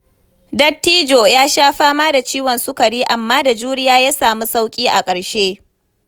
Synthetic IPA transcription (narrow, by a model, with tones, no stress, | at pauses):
dɐ˦tːiː˦d͡ʒo˨jaː˦ʃaː˦ɸaː˦maː˦da˨t͡ʃiː˦wɔ˨nsʊ˦kɐ˨ɽiː˦ʔa˨mːaː˦da˨d͡ʒuː˦ɽɪ˦jaː˦jaː˦saː˨mu˦sa˦wkʲʼiː˦ʔa˨kʼɐ˨ɽʃeː˦